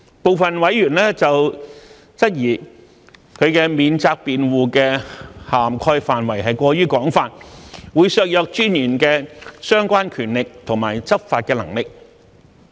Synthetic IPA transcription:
po˨˧wfɐ˨nwɐ˨˥jyː˨˩nlɛː˥t͡sɐ˨w | t͡sɐ˥t̚jiː˨˩ | kʰɵ˨˧ɥkɛː˧miː˨˧nt͡saː˧k̚piː˨nwuː˨˧kɛː˧haː˨mkʰɔː˧jfaː˨nwɐ˨˩jɦɐ˨jkʷɔː˧ɥyː˥kɔː˨˥ŋfaː˧t̚wuː˨˧jsœː˧k̚jœː˧k̚t͡ʃyː˥njyː˨˩nkɛː˧sœː˥ŋkʷaː˥nkʰyː˨˩nlɪ˨k̚t̪ʰʊ˨˩ŋmaː˨˩jt͡sɐ˥p̚faː˧t̚kɛː˧lɐ˨˩ŋlɪ˨k̚

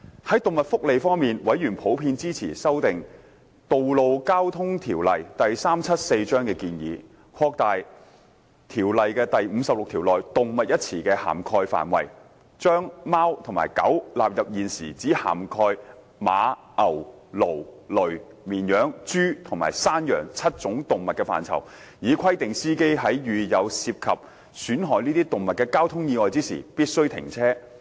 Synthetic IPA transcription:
hɐ˨˥jt̪ʊ˨ŋmɐ˨t̚fʊ˥k̚le˨jfɔː˥ŋmiː˨nwɐ˨˥jɥyː˨˩npʰo˨˥wpʰiː˧nt͡siː˥t͡sʰiː˨˩sɐ˥wt̪ɪ˨ŋ | t̪o˨wlo˨˧wkaː˥wt̪ʰʊ˥ŋt̪ʰiː˨˩wlɐ˨jt̪ɐ˨jsaː˥mt͡sʰɐ˥t̚se˧jt͡ʃœː˥ŋkɛː˧kiː˧njḭː˨˧ | kʰɔː˧k̚t̪aː˨j | t̪ʰiː˨˩wlɐ˨jkɛː˧t̪ɐ˨jm̩˨˧sɐ˨p̚lʊ˨k̚t̪ʰiː˨˩wlɔː˨jt̪ʊ˨ŋmɐ˨t̚jɐ˥t̚t͡sʰiː˨˩kɛː˧ha̰ː˨˩mkʰɔː˧jfa̰ː˨nwɐ̰˨˩j | t͡ʃœː˥ŋmaː˥wt̪ʰʊ˨˩ŋma̰ː˨˩jkɐ̰˨˥wlaː˨p̚jɐ˨p̚jiː˨˩nsiː˨˩t͡siː˨˥ha̰ː˨˩mkʰɔː˧j | ma̰ː˨˧ | ʔɐ˨˩wlo˨˩wlɵ˨˩ɥ | miː˨˩njœː˨˥ŋt͡ʃyː˥t̪ʰʊ˨˩ŋma̰ː˨˩jsaː˥njœ̰ː˨˩ŋt͡sʰɐ˥t̚t͡sʊ˨˥ŋt̪ʊ˨ŋmɐ˨t̚kːɛː˧fa̰ː˨nt͡sʰɐ̰˨˩w | jiː˨˧kʰɐ˥jt̪ɪ˨ŋsiː˥ke˥jɦɐ˨˥jjyː˨jɐ˨˧wsiː˧p̚kʰɐ˨p̚ | syː˨˥nɦɔː˨˩jniː˥t̪iː˥t̪ʊ˨ŋmɐ˨t̚kɛː˧kaː˥wt̪ʰʊ˥ŋjiː˧ŋɔː˨jt͡siː˥sḭ˨˩piː˥t̚sɵ˥ɥt̪ʰɪ̰˨˩ŋt͡sʰɛː˥

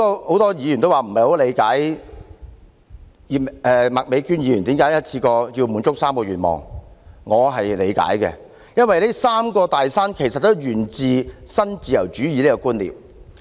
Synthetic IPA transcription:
ɔː˥ho˨˧˥wt̪ɔː˥jiː˨˧jyː˨˩nt̪o˥waː˨m̩˨˩hɐ˨jho˨˥le˨˧jkaː˨˥j | ɛː˨mɐ˨k̚me˨˧jkyː˥njiː˨˧jyː˨˩nt̪iː˨˥mkaː˧˥jɐ˥t̚t͡sʰiː˧kɔː˧ji˧wmuː˨˥nt͡ʃʊ˥k̚saː˥mkɔː˧ɥyː˨˩t̚mɔ̰ː˨˩ŋŋɔː˨˧ɦɐ˨jle˨˧jka̰ː˨˥jkɛ̰˧ | jɐ˥nwɐ˨jle˥saː˥mkɔː˧t̪aː˨jsaː˥nkʰe˨˩jsɐ˨t̪̚ːo˥wjyː˨˩nt͡siː˨˧sɐ˥nt͡siː˨jɐ˨˩wt͡ʃyː˨˥jiː˨˧leː˥kɔ˧kuː˥nlḭ˨w̚

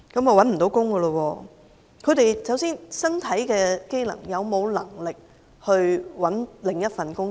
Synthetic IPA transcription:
kɐ˨˥mɐ˨wɐ˨˥nm̩˨˩t̪o˨˥wkʊ˥ŋɡə˧lə˧wɔː˧ | kʰɵ˨˧t̪e˨jsɐ˨˥wsiː˥nsɐ˥nt̪ʰɐ˨˥jkɛː˧ke˥jlɐ̰˨˩ŋjɐ˨˧wmo˨˧wlɐ˨˩ŋlɪ˨k̚ | hɵ˧ɥwɐ˨˥nlɪ˨ŋjɐ˥t̚fɐ˨nkʊ˥ŋ

